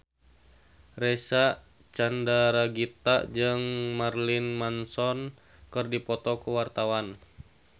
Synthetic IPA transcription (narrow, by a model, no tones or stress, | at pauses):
rɛsaʔ | t͡ʃandaɾaɡit̪a̰ʔd͡ʒɨŋmarlinmansɔn | kɨrdipɔt̪ɔkuwart̪awan